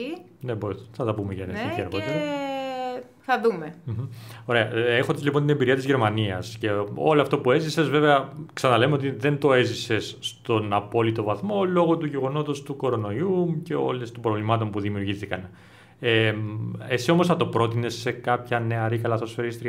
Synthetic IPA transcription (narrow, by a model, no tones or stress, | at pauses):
ineboθɐt̪ɐpumeʝɐneit̪iɐɾɣo̞t̪eɾɐ | θɐðumem̩o̞ɾe̞ɐe̞xod̪ezlipont̪inembiɾiɐt̪izʝe̞ɾmɐniɐsce̞o̞̰loɐft̪o̞pue̞zise̞zveve̞ɐksɐnɐle̞meot̪̬iðe̞nt̪o̞e̞zise̞sːt̪o̞nɐpo̞lit̪o̞vɐθmo̞lo̞ɣo̞t̪uʝe̞ɣo̞no̞t̪o̞st̪uko̞ɾo̞no̞iumce̞o̞̰lest̪ombɾo̞vlimɐt̪o̞mpuðimiuɾʝiθikɐn | esio̞mo̞sθɐt̪o̞pɾo̞t̪ine̞sːe̞kɐpçɐne̞ɐɾikɐlɐθo̞sfeɾist̪ɾi